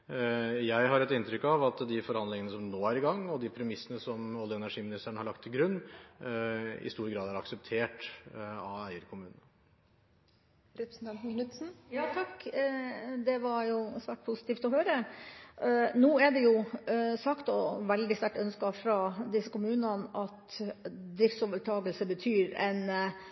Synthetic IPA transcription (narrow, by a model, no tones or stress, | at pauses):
jæɪɦɑɾɛt̪ɪnt̪ɾʏkːɑʋɑt̪d̪ɪfɔɾhɑnd̪lɪŋənəsɔmnoːæɾɪɡɑŋːɔd̪ɪpʰɾɛmɪsːənəsɔmɔlːɪɛnæʂiːmɪnɪst̪æɳ̩hɑɭɑkt̪ʰːɪlɡɾʉnː | ɪ̰st̪uːɾɡɾɑːd̪æɾɑksəp̚t̪ʰeːʈɑʋæɪəɾkʰʊmʉːnənə | ɾɛpɾsn̩t̪ɛnt̪n̩kʰnʉt̪sn̩jɑːt̪ʰɑkː | d̪ɛʋɑɾjʊsʋæːʈ̚pʰʊsɪ̥t̪iːft̪ɔhøːɾə | nuːɛɖɛjʊsɑkt̪ɔʋɛld̪ɪst̪æʈœnskɑfɾɑd̪ɪsːəkʰʊmʉːnɑnɑt̪d̪ɾɪft̪soːʋəʈʰɑːɡəlsəbət̪ʰyːɾɛn